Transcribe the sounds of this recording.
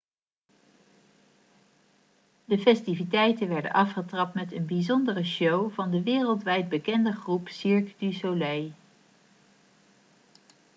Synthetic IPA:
dəfɛstivitɛjtənʋɛɹdə̰nʔɑfχətrɑp̚tmɛtənbizɔndərəʃowvɑndəʋɪːrəlˠtʋɛjd̚bəkɛndəχrupsiɹkdysolɛj

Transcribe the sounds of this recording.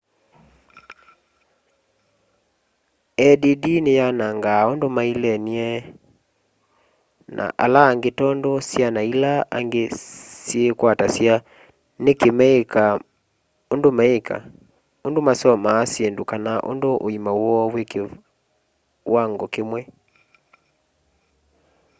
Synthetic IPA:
ɛdidinejanaŋɡaondomailɛniɛ | na̰ʔa̰laːŋɡetɔndɔsjanailaa̰ŋɡesjekwatasja | nekemɛeka | ondomaeka̰ | ondomasɔmaːsjendokanaʔo̰ndoʔoimawɔweke | waŋɡɔkemwɛ

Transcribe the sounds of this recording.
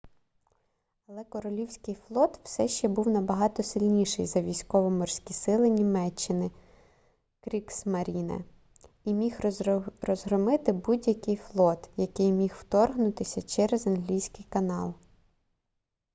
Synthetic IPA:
ɐlˠɛkɔɾɔlʲiwsʲkɪjflˠɔt̪w̥sɛʃt͡ʃɛbuwnɐbɐɦɑt̪ɔsɪlʲnʲiʃɪ̰jzɐʋʲijsʲkɔʋɔmɔrsʲkʲisɪlˠɪnʲimɛt͡ʃːɪnɪ | kɾʲiksmɐɾʲinɐ̰ | imʲixrɔzɦɾɔmɪt̪ɪbudʲjɐkɪjflˠɔt̪jɐkɪjmʲixwt̪ɔrɦnʊt̪ɪsʲɐt͡ʃɛɾezɐnɦlʲijsʲkɪjkɐnɑlˠ

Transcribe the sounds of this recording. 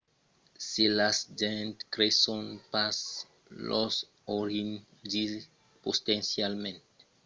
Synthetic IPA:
selasd͡ʒɛ̃nt̪kɾesɔ̃npas | lʔɔs | oɾĩn | d͡ʒiz | post̪ɛ̃nsjalmɛ̃nt̪

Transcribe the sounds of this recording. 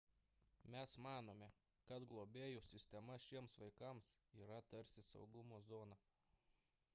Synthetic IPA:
mʲɛsmɑːnoːmʲɛ | kɐt̪ɡlˠoːbʲeːjusʲɪsʲt̪ʲɛmɐʃʲiɛmsʋɐɪkɐmsiːɾɐt̪ɐɾʲsʲɪsɒ̰ʊɡʊmoːzoːnɐ

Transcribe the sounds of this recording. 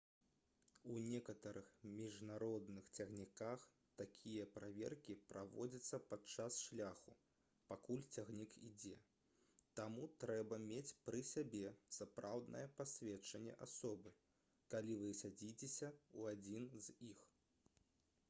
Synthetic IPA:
unʲɛkɐt̪ɐɾɨxmʲiʐnaɾɔd̪nɨxt͡sʲaɣnʲikax | t̪akʲʰijɐpɾavʲɛ̰rkʲipɾavɔ̰d͡zʲɐt̪sːɐpat͡ʂasʂlʲaxu | pakulʲt͡sʲaɣnʲikḭd͡zʲɛ | t̪amut̪ɾɛbɐmʲet͡sʲpɾɨsʲabʲɛsapɾawd̪nʔɐ̰jɛpasʲvʲɛt͡ʂɐnʲːɛ̰ʔasɔbɨ | kalʲivɨsʲad͡zʲit͡sʲesʲɐuad͡zʲinzʲix

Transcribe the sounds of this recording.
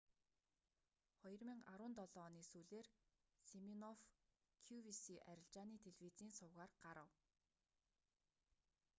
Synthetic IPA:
χɔjɞ̆rmiːŋaɾʊːnt̪ɔɮɔːniːsuːɮeːr | seminɔf | kʰuwisiʔæɾʲɪ̆ɮt͡ɕaːniːt̪ʰeɮwiːt͡siːnsʊːʁaːrɢ̥aɾə̆w

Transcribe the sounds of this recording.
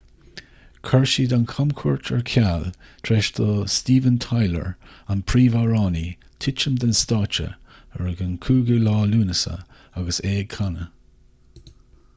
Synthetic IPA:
kʰaɹʃid̪ankʰamkʰuɹt͡ʃʰəɹkʰalt̪ʰɾeːʃt̪ʰəstiːvənt̪ʰajlə̰ɹanpʰɾiːvaɹɑːni | t̪ʰɪt͡ʃəmd̪ənst̪ɑːt͡ʃə̰əɹəɡənkʰuːɡəlɑːluːnəsə̰ | aɡəseːkʰanə

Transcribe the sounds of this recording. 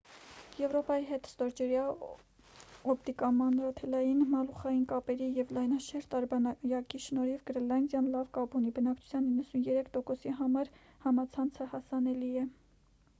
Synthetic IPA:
jɛvɾɔpɑjiɦɛt̪st̪ɔɾd͡ʒɛɾjɑ | ɔpd̪ikɑmɑnɾɑt̪ʰɛlɑjinmɑluχɑjinkɑpɛɾijɛvlɑjnɑʃɛɾt̪ɑɾbɑɑjɑkiʃnɔɾivɡɾɛlɑnd̪jɑnlɑvkɑbunibənɑk̚t͡ʃʰu̥t͡sʰjɑninːəsunjɛɾɛkʰt̪ɔkɔsiɦɑmɑɾ | hɑmɑt͡sʰɑnt͡sʰəhɑsɑnɛliɛ

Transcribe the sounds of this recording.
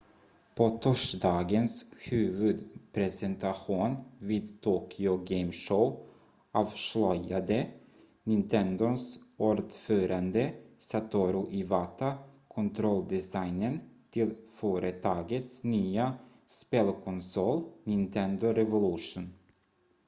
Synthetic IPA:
pʰot̪ʰɔʂd̪ɑːɡənshʉ̟ːvɵd̪pʰɾɛsɛnt̪aɧuːnviːd̪t̪ʰoːkʰɪʊɡɛɪmʂɔʊ | ʔɑːvʂɭœjad̪ə | nɪnt̪ʰɛnd̪ʊsuːɾd̪føːɾand̪əsat̪ʰuːɾʊʔɪvat̪ʰakʰɔnt̪ʰɾɔld̪ɛsajnənt̪ʰɪlføːɾət̪ʰɑːɡət̪snyːa | speːlkʰɔnsɔlnɪnt̪ʰɛnd̪ʊɾɛvʊlɵʂuːn

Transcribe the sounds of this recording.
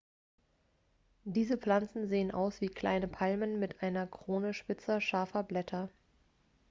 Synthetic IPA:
d̥iːzəp͡fl̥ant͡sn̩zeːənʔa̰ʊsv̥iːkʰl̥a̰ɪnəpʰalmənmɪtʔaɪnɐkʁ̥oːnəʃpɪt͡sɐʃaɐfɐblɛtʰɐ

